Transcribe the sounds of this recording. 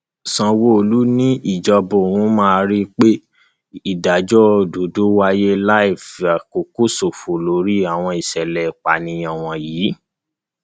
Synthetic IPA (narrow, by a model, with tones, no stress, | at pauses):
sã˧wo˦o˧˨lu˦nĩ˦ʔi˦˨d͡ʒɔ˧bo˨wũ˨˦mãː˦˧ɾi˦k͡pe˦ | i˦˨da˨d͡ʒɔ˦˨do˨do˦wa˧je˦la˦i˨fa˨ko˨ko˦so˨fo˨lo˨˦ɾi˦a˦˨w̃ɔ̃˧i˨ʃɛ˨lɛ˨k͡pa˨nĩ˧jɔ̃˨w̃ɔ̃˧jiː˨˦